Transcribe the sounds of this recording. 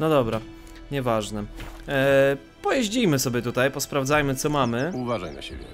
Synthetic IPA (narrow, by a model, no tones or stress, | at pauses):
nɔd̪ɔbɾa | ɲɛvaʐnɛ | pɔjeʑd͡ʑijmɘsɔbʲjɛt̪ut̪ajpɔspɾavd̪zajmɘt̪sɔmamɘuvaʐajna̰ɕḛbʲjɛ̰